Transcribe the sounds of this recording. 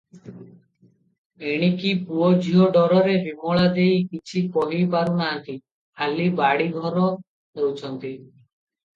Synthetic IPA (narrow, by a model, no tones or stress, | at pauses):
eɽ̃ikipuɔd͡ʒʱiɦɔɖɔɾɔɾebimɔɭad̪ejkit͡ʃʰikɔɦipaɾunaɦant̪i | alibaɽiɡʱɔɾɔ | ɦewt͡ʃʰɔnt̪i